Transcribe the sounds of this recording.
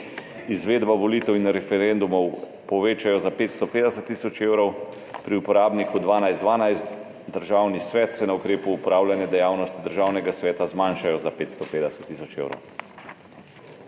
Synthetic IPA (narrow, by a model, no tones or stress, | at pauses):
izʋeːd̪baʋɔliːt̪ɛwinɾɛfɛɾɛnd̪umɔw | pɔʋeːt͡ʃajɔzapeːt̪st̪ɔpeːd̪ɛsət̪ːiːsɔt͡ʃeːwɾɔw | pɾiupɔɾaːbnikud̪ʋaːnajzd̪ʋaːnajst̪ | d̪əɾʒaːwnisʋɛːt̪sɛnaukɾeːpuːpɾaːwlʲjanjɛd̪ɛjaːwnɔst̪id̪əɾʒaːwnɛɡasʋɛːt̪azmanʃajɔzapeːt̪st̪ɔpeːd̪ɛsɛt̪ːiːsɔt͡ʃḛːwɾɔ̰w